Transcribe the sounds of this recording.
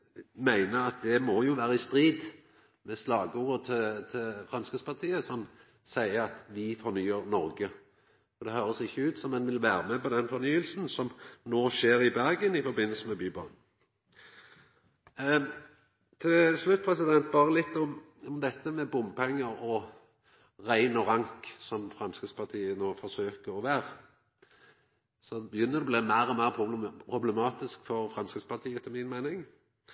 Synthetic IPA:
mæɪnəɾɑt̪̚d̪ɛmɔjʊʋæːʁəɪst̪ɾiːd̪ | mɛslɑːɡəuːʁət̪ʰɪt̪ʰɪlfʁɑnskəspɑʁt̪ʰiːəsɔm | sæɪəɑt̪ʋɪfɔɾnyːəɾnɔɾɡə | fɔd̪ɛhøːɾəsɪçːəʉːt̪sɔmɛnʋɪlʋæːɾəmɛpɔd̪ɛnfɔɾnyːəlsn̩sɔmnoːʃeːɾɪbæɾɡənɪfɔɾbɪnːəlsəmɛbyːbɑn | t̪ʰɪlslʉt̪̚ːpʰʁɛsɪd̪ɛnt̪̚bɑːʁəlɪt̪ːɔm | ʊmd̪ɛt̪ːəmɛbʊmːpʰɛŋːəɾɔ | ʁæɪnɔʁɑŋksɔmfʁɑnskəspʰɑʁt̪ʰiːənoːfɔsøːkəʁɔʋæːʁə | sɔbəjʏnːəd̪ɛbliːmæɪʁɔmæɪʁpʰʊpʰʁʊblɛmɑːt̪ɪskfɔʁfʁɑnskəspʰɑʁt̪ʰiːət̪ʰɪlmɪnmæɪnɪŋ

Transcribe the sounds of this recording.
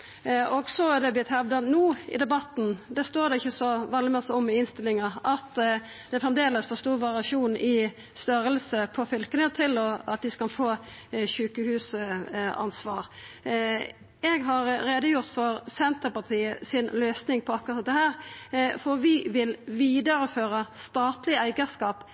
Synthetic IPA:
ɔɡsɔæd̪ɛblɪt̪hɛʋd̪ɑnuːɪ̰d̪ɛbɑt̪nd̪ɛst̪oːɾd̪ɛɪçːəsɔʋɛlːɪmɛsɔmːɪɪnst̪ɪlɪŋɑʔɑt̪ | d̪̥ɛæfʁɛmd̪eːləsfɔst̪uːʁʋɑʁɪɑʂuːnɪ | st̪œɾəlsəpʰɔfʏlkənət̪ʰɪlɔɑt̪̚d̪ɪskɑlfoːçʉːkəhʉːs | ɑ̰nsʋɑːɾ | ɛɡɦɑɾɾeːd̪əjʊʁt̪fɔɾsɛnt̪əpɑʁt̪ʰiːəsɪnløːsnɪŋpʰɔɑkʊʁɑt̪̚d̪ɛhæːɾfɔɾʋɪʋɪlʋiːd̪əɾəføːɾəst̪ɑːt̪lɪæɪɡəskɑːp

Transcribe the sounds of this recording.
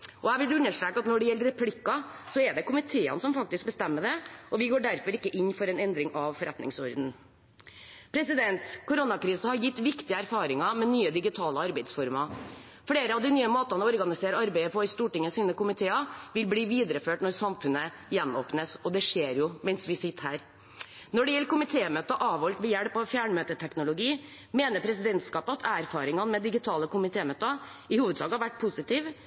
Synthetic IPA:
ʔɔæɪʋɪld̪ʉnːəʂʈɾeːkːɑt̪nɔɖɛjɛlːəɾɛpʰlɪkːɑsɔɛɖɛkʰʊmɪt̪ʰeːə̰nəsɔmfɑk̚t̪ɪsk̚bəst̪ɛmːəɖ̪ɛʔɔʋɪɡoːɖæɾfɔɾɪkːəʔɪnːfɔɾɛnɛnd̪ɾɪŋʔɑʋfɔɾɛt̪nɪ̰ŋsɔɾd̪n̩ | pʰɾɛsɪd̪ɛnt̪kʰʊɾʊnɑkɾiːsəhɑɾjɪt̪ːʋɪkt̪ɪəæɾfɑːɾɪŋɑmɛnyːəd̪ɪɡɪt̪ʰɑːləɑɾbæɪd̪sfɔɾmɑ | fɽeːɾəɑʋd̪ɪnyːəmoːt̪ɑnəɔɾɡɑnɪseːɾəɑɾbæɪəpʰɔɪst̪uːʈɪŋːəsiːnəkʊmɪt̪ʰeːɑʋɪlbliːʋiːd̪ɾəføːʈnɔɾsɑmfʉnə | jɛnːo̰ːpnəsɔd̪ɛʂeːɾjʊmɛnsʋɪsɪt̪ːhæːɾ | nɔɖɛjɛlːəkʊmɪt̪ʰeːmøːt̪əʔɑːʋɔlt̪ʋɛjæɽpɔfjæːɳmøːt̪ət̪ʰɛknʊlʊɡiː | meːnəɾpʰɾɛsɪd̪ɛnt̪skɑːpəɑt̪ʰæɾfɑːɾɪŋɑnmɛd̪ɪɡɪt̪ʰɑːləkʊmɪt̪ʰeːmøːt̪əɪhuːʋəd̪sɑ̰ːɡhɑɾʋæʈ̚ːpʰʊsɪt̪iːʋ

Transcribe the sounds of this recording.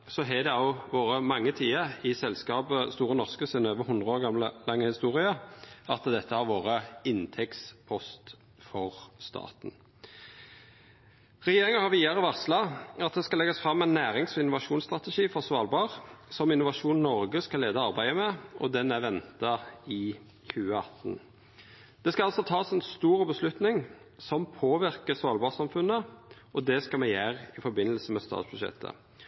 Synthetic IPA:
sɔɦɛd̪ɛɑʊʋoːɾəmɑŋːət̪ʰiːəɪsɛlskɑːbəst̪uːɾənɔʁskəsɪnøːʋəhʊnd̪ʁəoːʁɡɑmləlɑŋːəhɪst̪uːɾɪəɑt̪d̪ɛt̪ːəhɑɾʋoːʁəɪnt̪ʰɛkspʰɔst̪ | fɔʁst̪ɑ̰ːt̪n̩ | ʁɛjeːɾɪŋənhɑɾʋiːd̪ɑʁəʋɑʁt̪slɑɑt̪̚d̪ɛskɑlɛɡɑsfɾɑmːɛɪnːæːɾɪŋsɔɪnʊʋɑʂuːnst̪ʁɑt̪ɛʂiːfɔʁsʋɑːlbɑːʁsɔmɪnːʊʋɑʂuːnnɔɾɡəskɑleːd̪ɑɑɾbæɪəmɛɔ̰d̪ɛnæʋɛnt̪ɑɪ | çʉːəɑt̪n̩ | d̪̥ɛskɑɑlsɔt̪ʰɑːsɛnst̪uːʁəbəslʉt̪nɪŋ | sɔmpʰoːʋɪʁkəsʋɑːlbɑːsɑmfʉnːəʔɔd̪ɛskɑmɛjæʁɪfɔɾbɪnːəlsəmɛst̪ɑ̰ːt̪sb̥ʉʂɛ̰t̪ʰːə̰

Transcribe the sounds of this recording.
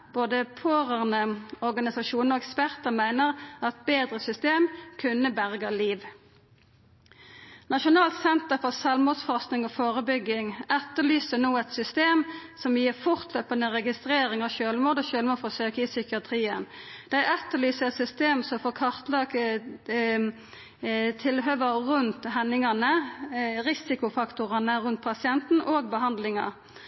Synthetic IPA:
b̥oːd̪əpʰoːʁæʁnəɔʁɡɑnɪsɑʃuːnəɾɔɛkspæʁt̪əʁmæɪnəʁɑt̪̚beːd̪ʁəsʏst̪eːmkʰʉnəbæʁɡəliːʋ | nɑʃʊnɑːlt̪sɛnt̪əfɔʁsɑlmuːd̪sfɔʁst̪nɪŋɔːfoːʁəbʏɡɪŋɛt̪ːəlyːsənuːɛt̪sʏst̪eːmsɔmjiːʁfʊʁt̪ʰløːpənəʁɛɡɪst̪ɾeːɾɪŋɑʋʃøːlmoːd̪ɔʃøːlmuːfɔsøːkəɪsʏkɪɑt̪ʰʁiːənd̪̥æɪʔɛt̪ːəlyːsəɛt̪sʏst̪eːmsɔmfoːkʰɑʁt̪lɑːk | t̪ʰɪlɦøːʋəʁʉnt̪ɦɛnːɪŋɑnə | ʁɪsɪkʊfɑkt̪ʊʁɑnəʁʉnt̪̚pʰɑsɪɛnt̪n̩ʔoːɡ̚bəɦɑnd̪lɪŋɑ̰

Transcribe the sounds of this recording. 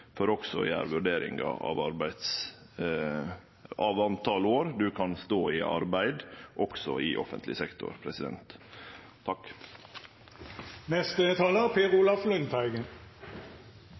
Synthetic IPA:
fɔɾɔksɔ̰jæ̰ːɾʋʉɖeːɾɪ̰ŋɡɑ̰ɑ̰ʋɑɾbæɪd̪s | ɑʋɑnt̪ʰɑloːɾd̪ʉkʰɑnst̪oːɪʔɑ̰ɾbæɪd̪ʔɔksɔɪʔɔ̰fə̰nt̪lɪsɛkt̪ʊ̰ɾpʰɾɛsɪd̪ɛ̰nt̪ʰː | ɑk | nɛst̪ət̪ʰɑːləpʰeːʁuːlɑflʉnt̪ʰæɪɡ̪

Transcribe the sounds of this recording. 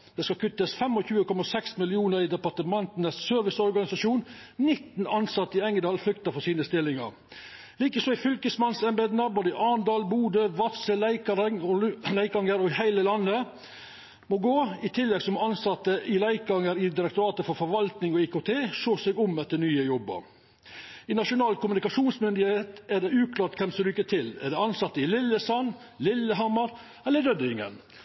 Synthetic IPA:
dd̥̪ɛskɑkʰʉt̪ːəsfɛmɔçʉːəkɔmɑsɛksmɪlɪuːnəɾɪd̪ɛpɑt̪əmɑnt̪nəssøːɾʋɪsɔɾɡɑnɪsɑʂuːnnɪt̪ːn̩ɑnsɑt̪ːəɪɛŋd̪ɑːlflʏkt̪əfɔsiːnəst̪ɪlːɪŋɑ̰ɾ | liːkəsɔːɪfʏlkəsmɑnsɛnbeːd̪nəboːd̪əɪʔɑːnd̪ɑːlbuːd̪əʋɑt̪səlæɪkɑɾɪŋlæɪkɑŋəɾɔɪhæɪləlɑnːə | mɔɡoːɪt̪ʰɪlːɛɡsɔmɑnsɑt̪ːəʔɪlæɪkɑŋəɾɪd̪ɪɾək̚t̪ʊɾɑːt̪əfɔɾfɔɾʋɑlt̪nɪŋɔiːkot̪ʰeːʂoːsɛɡʊmɛt̪ːənyːəjɔbːə̰ɾ | ɪnɑʂʊnɑːlkʊmʉnɪkɑʂuːnsmʏnd̪ɪheːt̪æɖ̪ɛʉːkʰlɑːʈkʰɛmsɔɾyːkːət̪ʰɪlæ̰ɖ̪ɛɑnsɑt̪ːəɪlɪlːəsɔn | lɪlːəɦɑmːəɾ | ɛlːəɾɖ̪œd̪əɪŋə̰n

